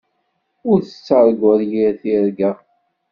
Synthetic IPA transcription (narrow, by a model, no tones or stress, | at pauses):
ʊɾθə̥t͡sːəɾˤɡəɾjiɾθiɾɡæ